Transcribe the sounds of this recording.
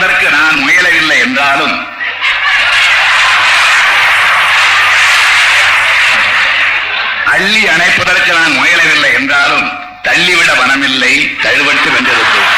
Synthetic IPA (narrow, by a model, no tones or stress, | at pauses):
ðɐrkɯnaːnmʊjɐlɐʋɪlːɐɪɛndraːlɯm | ʔɐɭːiɐnɐɪpːɐðɐrkɯnaːnmʊjɐlɐʋɪlːɐɪɛndraːlɯm | t̪ɐɭːiʋɪɽɐbɐnɐmɪlːɐɪt̪ɐɻɯʋɐɳʈːɯʋɛndɐðɯkːɯ